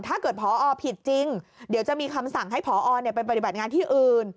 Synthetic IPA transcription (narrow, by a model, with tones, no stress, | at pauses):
t̪ʰaː˥˩kɤː˨˩t̪̚pʰɔː˩˦ʔɔː˧pʰi˨˩t̪̚t͡ɕi˧ŋdi˩˦wt͡ɕa˨˩miː˧kʰa˧msa˨˩ŋɦa˥˩jpʰɔː˩˦ʔɔː˧ni˥˩pa˧npa˧t̪i˨˩ba˨˩t̪̚ŋaː˧nt̪ʰiː˥˩ʔɯː˨˩n